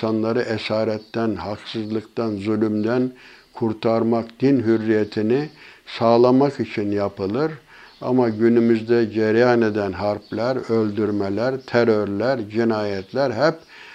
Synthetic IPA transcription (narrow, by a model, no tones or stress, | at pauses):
anlˠaɾɯʔesaːɾɛt̪ːænhaksɯzlˠɯkt̪anzylʲymd̪æn | kʰuɾt̪ʰaɾmakd̪̥inɦyɾːijet̪ʰinisaːlˠamakit͡ʃʰinjapʰɯlˠɯɾ | a̰maɟynymyzd̪ɛɟɛɾjaned̪ænɦaɾplʲæɾølʲd̪yɾmɛlʲæɾt̪ʰɛɾøɾlʲæɾd͡ʒinaːjɛt̪ʰlʲæɾɦɛp̚